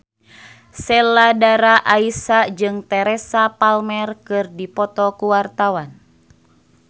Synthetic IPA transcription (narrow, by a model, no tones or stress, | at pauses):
sɛladaɾaʔaisad͡ʒɨŋt̪ɛɾɛsapalmɛrkɨrdipɔt̪ɔkuwart̪awan